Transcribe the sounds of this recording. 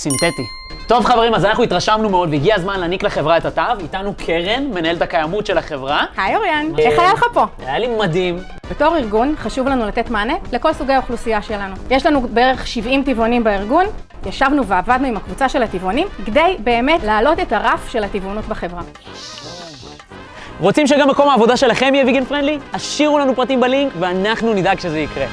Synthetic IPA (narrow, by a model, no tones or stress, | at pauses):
sint̪et̪i | to̞vχaveʁimazanaχnuitʁaʃamnumeo̞d̪veiɡiazmanlaːnikleχe̞vʁaetatavit̪anukʰeʁenme̞nae̞ltakajamutʃelaχe̞vʁahajoʁjaneχajalχapo̞ajalimadim | b̥eto̞χiʁɡunχaʃuvlanulat̪e̞tmanele̞ko̞lsuɡejaoχlusijaʃelanujeʃlanubeeʁeχʃivimtivonimbaiʁɡun | jaʃavnuveavad̪nuimhakvut͡saʃe̞lhat̪ivonimkd̪ejbe̞ːme̞tlaːlo̞te̞taʁafʃe̞lhativonutbaχe̞vʁa | ʁo̞t͡simʃeɡamːeko̞maːvo̞d̪aʃe̞laχe̞mjɛviɡenfʁend̪lihaʃiʁulanupʁat̪imbaliŋkveanaχnunid̪aɡʃezeikʁe